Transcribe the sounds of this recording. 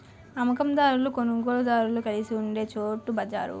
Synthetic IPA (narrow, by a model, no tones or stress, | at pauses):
ɐmɐkɐmd̪aːɾulukonuɡoːɭud̪aːɾulukɐlisiuɳɖe̞ːt͡ʃoːʈːubɐd͡ʒa̰ːɾṵ